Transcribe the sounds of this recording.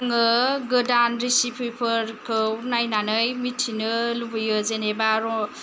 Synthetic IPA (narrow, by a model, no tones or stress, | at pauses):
ŋʌɡɯdanɾisipʰupʰəɾkʰounajnanɯjmitʰinɯlubɯjod͡zenebaɾɔ